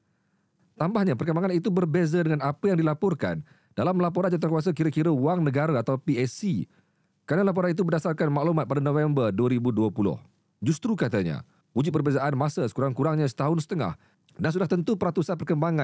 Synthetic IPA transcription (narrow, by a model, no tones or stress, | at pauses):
t̪ambahɲãpərkəmbaŋanit̪ubərbezadəŋãnapəjaŋdilapɔrka̰n | d̥alamlapɔɾand͡ʒat̪arkuas̬akiɾəkiɾəuaŋnə̃ɡaɾaat̪awpiɛsi | kɾanalap̬ɔɾanit̪̬ubərdasarkanmaʔlumat̪̚padanõfɛmbərduəɾibuduəpulʊ̰h | d͡ʒust̪ɾukat̪aɲa̰ | wud͡ʒʊt̪̚pərbezaʔanmasəsə̥kuɾaŋkuɾaŋɲãsə̥t̪aɦʊnsə̥t̪əŋa̰h | nas̬udaht̪ənt̪upəɾat̪usanpərkəmbaŋã